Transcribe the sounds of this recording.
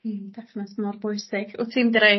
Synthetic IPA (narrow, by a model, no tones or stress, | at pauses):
d̥ɛfnɛsmɔrbɔjsɪɡ̥ɔtʰimdɾe